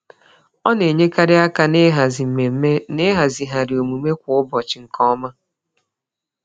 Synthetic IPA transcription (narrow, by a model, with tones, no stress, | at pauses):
ɔ˦ne˨ɲe˦ka˦ɾɪ˦a˦ka˦n˦ɦe˨˦ne˦ɦa˨zi˨ɦa˨ɾɪ˨o˨mu˨me˦kʷʊ˨ʊ˦bɔ˨t͡ʃɪ˨ŋ̩˨kɔ˦ma˦